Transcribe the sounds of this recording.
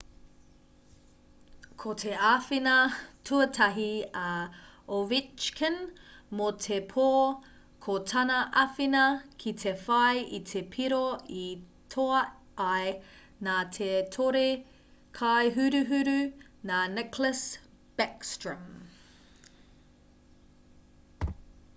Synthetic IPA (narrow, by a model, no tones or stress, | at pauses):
kʰotʰeafinɐtʰuɐtʰɐɦiɐovit͡ʃkʰənmotʰepʰoː | kʰotʰɐnɐʔɐfinɐkʰitʰefɐjitʰepʰiɾoi | tʰoɐ | ʔɐj | naːtʰetʰoɾe | kʰajɦʉɾʉɦʉɾʉ | naːnɛkləs | b̥ɛkstɹəm